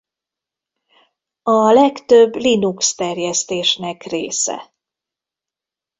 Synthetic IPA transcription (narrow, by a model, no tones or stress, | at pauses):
ɒlɛkt̪øbːlinukst̪ɛrjɛst̪eːʃnɛkreːsɛ̰